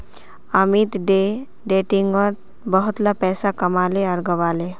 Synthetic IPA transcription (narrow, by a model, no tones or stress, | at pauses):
amit̪ɖe | ɖeːʈiŋɡɔt̪ | bəɦʊt̪lapɛːsakɐmaːleɐɾɡəʋaːle